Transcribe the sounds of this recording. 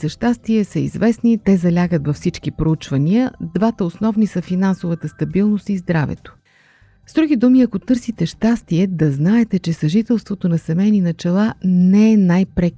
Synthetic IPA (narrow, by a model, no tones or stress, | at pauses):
sɐʃt̪ast̪iɛsəḭzvɛsnit̪ɛzɐlʲaɡət̪vɐfsit͡ʃkipɾout͡ʃvəniəd̪vat̪əosnɔvnisəfinansovət̪əst̪ɐbilˠnost̪izd̪ɾavɛ̰t̪o̥ | zd̪ɾuɡid̪umiɐkot̪ɤɾsit̪ɛʃt̪ast̪iɛd̪ɐznaɛt̪ɛt͡ʃɛsɐʒit̪ɛlˠst̪vot̪onɐsɛmɛjninɐt͡ʃɛlˠanɛɛnajpɾɛk